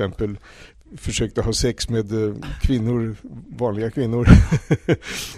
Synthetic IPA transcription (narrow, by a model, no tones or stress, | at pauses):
ɛmpəl | fœʂøːk̚t̪əɦɑːsɛksmeːd̪kʰvɪnːʊɾvɑːnlɪɡakʰvɪnːʊɾ